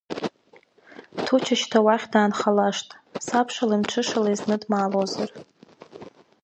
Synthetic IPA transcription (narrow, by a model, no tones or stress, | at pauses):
tʰut͡ʃʰaʃtʰawaχʲdaːnχalaʂtʼsapʰʂalamʈ͡ʂʰɨʂalajznɨdmaːlozar